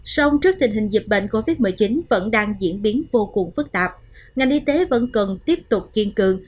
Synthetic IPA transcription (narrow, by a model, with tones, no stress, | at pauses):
sa˧wŋ͡mt͡ɕɨ˦˥ək̚t̪ï˨˩ŋ̟ɦï˨˩ŋ̟zi˨˩p̚ɓḛ˧˨nko˧vi˦˥t̚mɨː˨˩t͡ɕi˨˦nvə̰˧˥nɗaː˧ŋzḭ˧˥ənɓi˨˦ənvo˧kʊ˨˩ŋ͡mfɨ˦˥k̚t̪aː˨˩p̚ | ŋa˨˩jŋʔi˧t̪e˨˦və̰˧˥nkə˨˩nt̪i˦˥əp̚t̪ʊ˨˩k͡p̚ki˧ənkɨ˨˩əŋ